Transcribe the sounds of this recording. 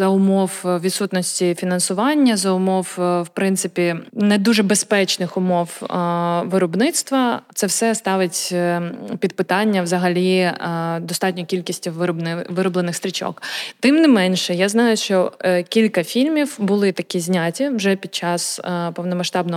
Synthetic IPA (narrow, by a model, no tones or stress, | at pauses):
zɐʊmɔwʋʲid̪sut̪nɔsʲtʲifʲinɐnsʊʋɑnʲːɐzɐʊmɔwwpɾɪnt̪sɪpʲinɛd̪uʐɛbespɛt͡ʃnɪxʊmɔw | ʋɪɾɔbnɪt̪st̪ʋɐt̪sɛwsɛst̪ɑʋɪtʲ | pʲid̪̚pɪt̪ɑnʲːɐʋzɐɦɐlʲi | d̪ɔst̪ɑt̪̚ʲnʲɔkʲilʲkʲisʲtʲinʋɪɾɔblˠenɪxst̪ɾʲɪt͡ʃɔ̰kt̪ɪmnɪmɛnʃɛjaznɑjʊʃt͡ʃɔkʲilʲkɐfʲilʲmʲiwbʊlˠɪt̪ɐkʲizʲnʲatʲiwʒɛpʲid̪̚t͡ʃɑspɔwnɔmɐʃt̪ɑb̚nɔ